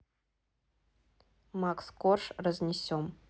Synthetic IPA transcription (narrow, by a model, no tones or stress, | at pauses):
makskorʂrəzʲnʲɪsʲom